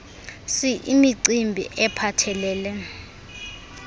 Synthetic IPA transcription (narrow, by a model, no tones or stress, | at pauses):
siʔimiǀimbʱḭʔɛpʰatʰɛlɛːlɛ